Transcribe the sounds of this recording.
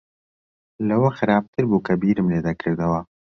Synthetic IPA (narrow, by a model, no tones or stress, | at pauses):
lɐwɐxɨɾaːb̚t̪ʰɨɾbuːkʰɐbiːɾɨmleːd̪ɐkʰɨɾd̪ɐwɐ